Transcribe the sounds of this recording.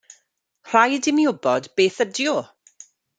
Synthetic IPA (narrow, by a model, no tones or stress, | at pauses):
r̥ajdɪmjʊbɔdbeːθədjɔ